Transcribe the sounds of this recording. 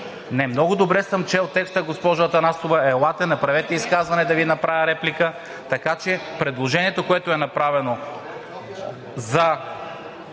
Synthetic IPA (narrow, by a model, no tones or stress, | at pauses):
nɛmnɔɡʊd̪obɾɛsɐmt͡ʃɛlˠt̪ːɛkst̪əɡospɔʒɐt̪ɐnast̪ovɐɛlˠat̪ɛnɐpɾɐvɛt̪ɛiskazvɐnɛd̪ɐvinɐpɾavʲəɾɛplʲikə | t̪ɐkat͡ʃɛpɾɛd̪lˠoʒɛniɛt̪okoɛt̪oɛnɐpɾavɛno | zɐ